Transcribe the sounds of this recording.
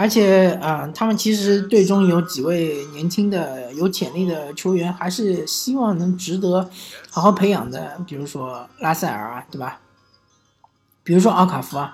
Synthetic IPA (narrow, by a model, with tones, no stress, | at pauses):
ə˞˧˥t͡ɕʰjɛ˨˩ə˧t̪ʰa˥mə˨nt͡ɕʰi˧˥ʂɻ̩˧˥t̪we˥˩ɪʈ͡ʂʊ˥ŋjo˧˥ʊt͡ɕi˨˩we˥˩ɪnjɛ˧˥nt͡ɕʰi˥ŋd̪ə˨jo˧˥ʊt͡ɕʰjɛ˨˩nli˥˩d̪ə˩t͡ɕʰjo˧˥ʊɥɛ˧˥nxa˧˥ɪʂɻ̩˥˩ɕi˥wɑ˥˩ŋnɤ˧˥ŋʈ͡ʂɻ̩˧˥t̪ɤ˧˥xɑ˨˥ʊxɑ˥˩ʊpʰe˧˥ɪjɑ̰˨˩ŋd̪ə̰˦pi˨˩ɻu˧˥ʂwɔ˥la˥sa˥˩ɪə̰˞˨˩˦t̪we˥˩ɪbɐ˩ | pi˨˩ɻu˧˥ʂwɔ˥ɑ˥˩ʊkʰa˨˩fu˧˥ɐ˧